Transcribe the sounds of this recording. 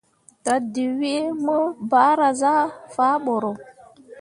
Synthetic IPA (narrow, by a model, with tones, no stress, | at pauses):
ta˨di˨wi˦mə˦ba˦ɾa˨za˦faː˦ɓo˨ɾo˨